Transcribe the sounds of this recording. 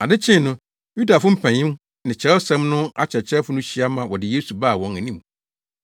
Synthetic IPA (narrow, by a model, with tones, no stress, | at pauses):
a˨dɪ˦t͡ɕʰɪ̃˦˨nʊ̃˦ | ju˦da˨fʊ˦m̩˦pʰæ̃˨ɲɪ̃˦m | nɪ̃˨t͡ɕʰɛ˨˦sɛ̃˦mnʊ̃˦a˦t͡ɕʰɛ˨t͡ɕʰɛ˦fʊ˦nʊ̃˦ɕi˦a˦mã˨wɔ˨dɪ˨jeː˦su˨baː˦˨wɔ̃˨ŋæ˨nĩ˦m